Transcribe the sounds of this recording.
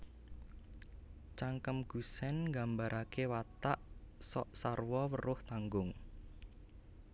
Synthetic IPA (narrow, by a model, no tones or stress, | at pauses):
t͡ʃaŋkəmɡ̥ṳsɛnŋɡambaɾʔakewat̪aʔsɔʔsarwɔwəɾʊht̪aŋɡʊŋ